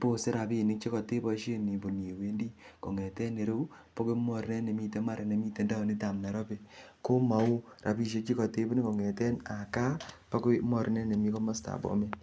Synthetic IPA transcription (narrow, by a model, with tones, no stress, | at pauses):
po˦se˦ɾa˨pi˦˨ni˦k̚t͡ʃe˦kɔ˨te˦bɔ˦ʃe˦ni˨bo˨nje˨we˦ndi˦ko̰˨ŋe˨tɛ˦ne˨ɾo˦u˦ | po˦ko˦mɔ˦ɾi˦ne˦ne˨mi˦te˦ma˦ɾe˨ne˨mi˦te˨nda˦o˨ni˦ta˨mnɛ˨ɾɔ˦pe˨ko˦ma˨u˦ra˨pi˦ʃ̬e˦k̚t͡ʃi˦kɔ˨te˦bo˦ni˦ko˨ŋɛ˨tɛ˦na˨ka˦pa˦ko˦mɔ˨ɾi˦ne˦ne˨mi˦ko˦ma˦sta̰ː˨bɔ̰˨me˦